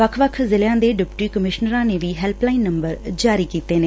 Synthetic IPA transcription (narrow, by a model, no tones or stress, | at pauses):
ʋəkʰʋəkʰzɪljãːd̪eːɖɪpʈiːkəmɪʃnəɾãːneːʋiːɦɛːlplaːinːəmbəɾd͡ʒaːɾiːkiːt̪eːneː